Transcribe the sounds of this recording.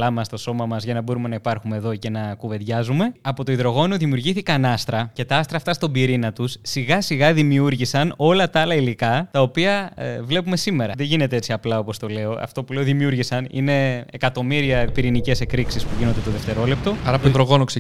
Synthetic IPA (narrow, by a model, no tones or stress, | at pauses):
lɐmɐst̪o̞so̞mɐmɐzʝɐnɐbo̞ɾume̞nɐipɐɾxumeðo̞ce̞nɐkuve̞ðʝɐzume̞ɐpo̞t̪oiðɾo̞ɣo̞nuðimjuɾʝiθikɐnɐst̪ɾɐce̞t̪ɐɐst̪ɾɐːft̪ɐst̪o̞biɾinɐt̪usːiɣɐsiɣɐðimiuɾʝisɐno̞lɐt̪ɐɐlɐilikɐt̪ɐo̞piɐvle̞pume̞sime̞ɾɐðe̞ʝine̞t̪e̞e̞t͡siɐplɐo̞po̞st̪o̞le̞o̞ɐ̰ft̪o̞pule̞o̞ðimiuɾʝisɐnḭne̞ekɐt̪o̞miɾiɐpiɾinice̞se̞kɾiksispuʝino̞nd̪et̪oðeft̪e̞ɾo̞lep̚t̪o̞ɐɾɐpoiðɾoɣo̞nokse